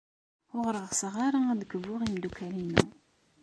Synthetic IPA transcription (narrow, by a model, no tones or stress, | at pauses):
ʊʁɾəʁsʁɑɾaæd̪əkəvːʊʁimd̪ukælinṵ